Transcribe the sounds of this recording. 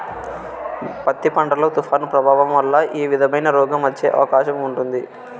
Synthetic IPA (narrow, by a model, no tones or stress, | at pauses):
pɐt̪ːipɐɳʈɐloːt̪upʰaːnpɾɐbʱaːʋɐmʋɐlːɐʔiːʋid̪ʱɐmɐjnɐɾɔːɡɐmɐt͡ʃːeːʔɐ̰ʋɐkaːʃɐmuɳʈund̪i